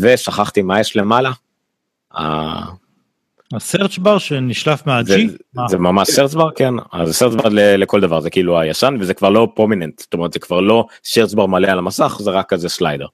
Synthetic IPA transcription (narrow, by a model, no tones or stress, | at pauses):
veʃaχaχt̪imajeʃlemala | a̰ | aseʁt͡ʃbaʁʃeniʃlafmeazizemamaʃseʁt͡sbaʁkena̰zeseʁsbaʁlelekold̪avaʁzekiiluajaʃanvezekvaʁlo̞pʁominent̪z̥t̪omeʁt̪z̥ekv̥aʁlo̞seʁtsbaʁmalealamasaχzeʁakːazeslajd̪eʁ